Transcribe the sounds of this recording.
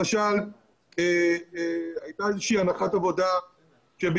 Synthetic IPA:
aʃal | e | ajt̪aezeʃiːanaχat̪avo̞d̪a | ʃeb

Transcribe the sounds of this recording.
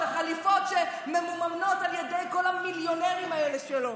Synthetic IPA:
aχalifo̞tʃe | memumamno̞taljedejko̞lhamiljoneʁimaeleʃelo

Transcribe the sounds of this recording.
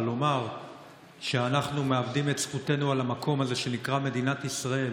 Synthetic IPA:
lo̞maʁ | ʃeanaχnumeavdimetsχute̞nualamakʰo̞maze̞ʃe̞nikʁame̞d̪inatisʁae̞

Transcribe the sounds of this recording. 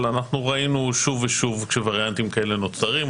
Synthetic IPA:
lanaχnuʁainuʃuveʃuvkʃevaʁjant̪imkaele̞no̞t͡saʁim

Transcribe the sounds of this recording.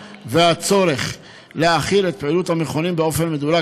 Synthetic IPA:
veat͡so̞ɾe̞χ | leaχilet̪̚peiluthameχonimbeo̞fenmed̪ula

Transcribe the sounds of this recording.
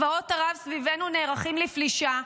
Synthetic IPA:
vaotaʁavsvive̞nuneːʁaχimlifliʃa

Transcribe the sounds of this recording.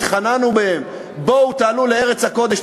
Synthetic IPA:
χananubehem | bo̞ut̪aːluleeʁet͡shako̞d̪e̞ʃ

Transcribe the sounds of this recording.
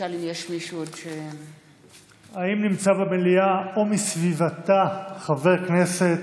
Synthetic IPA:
alimjeʃmiʃuodʃe | aimnimt͡sabemeliao̞misvivat̪aχave̞ʁkne̞se̞t̪

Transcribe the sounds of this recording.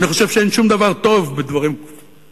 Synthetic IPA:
niχo̞ʃe̞v̥ʃeenʃumd̪avaʁt̪o̞vbed̪vaʁim

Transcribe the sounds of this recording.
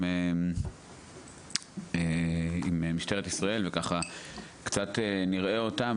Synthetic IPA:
e | eimemiʃte̞ʁet̪isʁae̞lvekaχakt͡sat̪eniʁe̞o̞tam

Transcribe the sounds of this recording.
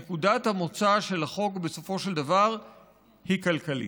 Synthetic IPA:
kudat̪hamo̞t͡saʃe̞laχo̞kbe̞so̞fo̞ʃeld̪avaʁ | hikalkalḭ

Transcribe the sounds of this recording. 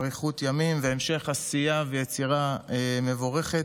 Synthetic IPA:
ʁiχut̪jamimveemʃe̞χasijavejet͡siʁaeme̞voʁe̞χet

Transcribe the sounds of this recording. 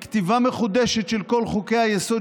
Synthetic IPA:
kt̪ivameχud̪eʃet̪ʃelko̞lχukejajeso

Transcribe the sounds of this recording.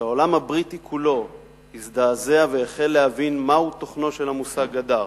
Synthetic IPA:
ao̞lamhabʁitikʰulo̞ | hisd̪aːzeaveaχe̞lːehavinmahuto̞χno̞ʃe̞lhamusaɡada

